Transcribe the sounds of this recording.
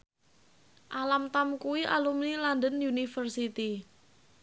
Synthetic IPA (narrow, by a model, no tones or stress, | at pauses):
ʔalamt̪amkuwiʔalumnilandənjunifərsit̪i